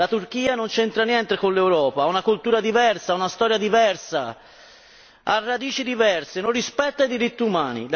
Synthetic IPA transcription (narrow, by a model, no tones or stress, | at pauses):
at̪urk̟iːanont͡ʃɛnt̪ɾanjɛnt̪ekolːewɾɔːpaaunakult̪uːɾad̪ivɛrsaunast̪ɔːɾjad̪ivɛrsa̰ | arːad̪iːt͡ʃid̪ivɛrsenorːispɛt̪ːaid̪iɾit̪ːiumaːnḭl